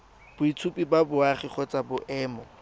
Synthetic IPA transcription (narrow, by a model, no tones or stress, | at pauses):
b̥ʊit͡sʰupʼibabʊaχiχɔt͡sʼabʊʔɛːmɔ